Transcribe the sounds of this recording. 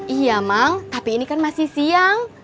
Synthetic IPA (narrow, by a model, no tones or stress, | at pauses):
ʔijamaŋt̪apiːnikanmasihsiaŋ